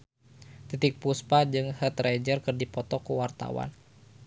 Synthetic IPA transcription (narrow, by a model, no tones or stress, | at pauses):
t̪it̪ɪk̚puspad͡ʒɨŋhət̪rɛd͡ʒərkɨrdipɔt̪ɔkuwart̪a̰wa̰n